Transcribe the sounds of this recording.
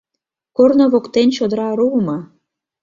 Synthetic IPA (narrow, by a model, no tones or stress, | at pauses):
kornoβokt̪ent͡ɕod̪ə̆ɾɑɾuəmɑ